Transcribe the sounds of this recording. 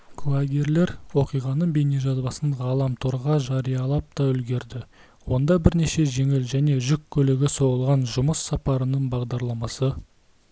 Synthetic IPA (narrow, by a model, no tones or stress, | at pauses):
kʰlˠaɡʲe̞ɾle̞ɾwo̞qijʁɑnəɴbene̞ʒɑzbɑsəɴʁɑlˠɑmt̪ʰoɾʁɑʒɑɾijɑlˠɑp̚t̪ɑʏlɡʲe̞ɾd̪ɪ | wo̞nd̪ɑbɪɾne̞ʃe̞ʒe̞ŋɪlʒæne̞ʒʏkʲʰːɵlɪɡʲɪso̞ʁəlˠʁɑnʒʊməsːɑpɑɾənəɴbɑʁd̪ɑɾlˠɑmɑsə